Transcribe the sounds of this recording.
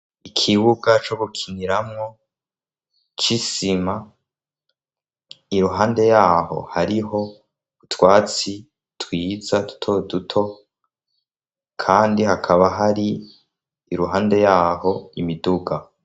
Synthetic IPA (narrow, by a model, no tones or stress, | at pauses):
ikʰiβuɡat͡ʃo̞βukʰiniɾamŋo̞ | t͡ʃisima | iɾuɦaːnde̞jaːho̞̰haɾiɦo̞ | utwaːt͡si | twiːzadu̥tʰodutʰo̞ | kʰaːndihakʰaβaɦaɾiː | ɾuɦaːnde̞jaːho̞imiduɡa